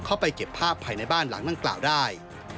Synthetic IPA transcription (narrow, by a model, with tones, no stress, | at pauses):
kʰa˥˩wpa˧jke˨˩pʰːaː˥˩pʰːaː˧jna˧jbaː˥˩nla̰˩˦ŋda˧ŋkla̰ː˨˩wdaː˥˩j